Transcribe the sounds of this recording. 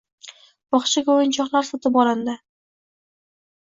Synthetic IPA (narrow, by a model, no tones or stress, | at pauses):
bɒχʃɪɡʲaojɪnt͡ʃʰɒχlˠaɾsɒt̪ʰɪpɒland̪a